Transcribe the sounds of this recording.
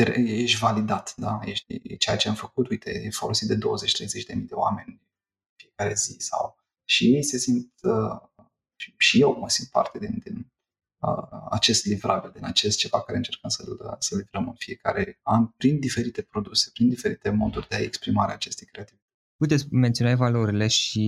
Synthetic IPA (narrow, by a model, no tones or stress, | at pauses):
eɾjeʃʲvalid̪at̪d̪ajeʃt̪ʲḭt͡ʃejat͡ʃeamfəkut̪ujt̪ʰe̞̰efo̞lo̞sit̪̚d̪e̞d̪o̞̰wəzet͡ʃt̪ɾejzet͡ʃʲd̪e̞mijd̪e̞oa̰me̞nʲn | ɨnfie̞kaɾe̞zisa̰w | ʃijejse̞sint̪ə | iʃije̞wməsint̪̚pa̰rt̪e̞d̪ind̪in | ə̰a̰t͡ʃe̞st̪livɾabild̪inat͡ʃe̞st̪̚t͡ʃe̞vakaɾeɨnt͡ʃe̞rkəmsəlsəlivɾəmɨnfie̞ka̰ɾe̞anʲpɾind̪ife̞ɾit̪e̞pɾo̞d̪usepɾind̪ife̞ɾit̪e̞mo̞d̪urʲd̪eaekspɾimaɾeaːt͡ʃe̞st̪ejkɾe̞at̪ivit̪ə | put̪esʲment̪io̞navalo̞ɾile̞ʃi